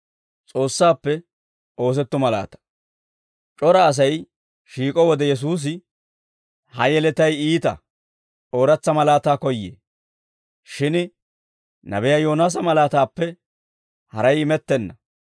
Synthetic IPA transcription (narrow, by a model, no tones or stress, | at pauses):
t͡sʼo̞ːsːaːpːɛ | o̞ːs̬ɛt̪ːʊmɐla̰ːt̪ɐ̥ | t͡ʃʼɔɾɐːs̬ɐj | ʃiːkʼɔwɔd̪ɛjɛs̬uːs̬ɪ | hɐjɛlɛt̪ɐjiːt̪ɐ̰ | o̞ːɾɐt͡sːɐmɐlaːt̪aːkɔjːḛː | ʃɪn | nɐ̰bɛjajo̞ːnaːs̬ɐmɐlaːt̪aːpːɛ | hɐɾɐjɪmɛt̪ːɛnːɐ